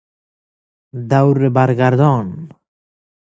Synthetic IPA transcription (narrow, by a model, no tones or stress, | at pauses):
d̪awɾːebaɾɡaɾd̪ɔn